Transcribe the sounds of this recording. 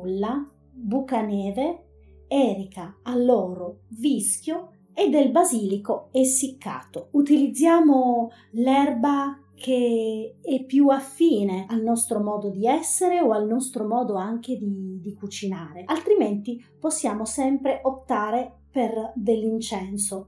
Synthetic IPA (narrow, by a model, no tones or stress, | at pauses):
lːa | bukanɛːve | ɛːɾikaalːɔːɾovisk̟jo | ed̪ːelbaziːlikoesːikʰːa̰ːt̪out̪ilid̪zːjaːmo | lɛrba | kʰe | ɛpːjuafːiːnealnɔst̪ɾomɔːd̪od̪iɛsːeɾeoalnɔst̪ɾomɔːd̪oaŋk̟ed̪id̪ikut͡ʃinaːɾealt̪ɾiment̪i | posːjaːmosɛmpɾeʔop̚t̪aːɾe | perd̪elːint͡ʃɛnso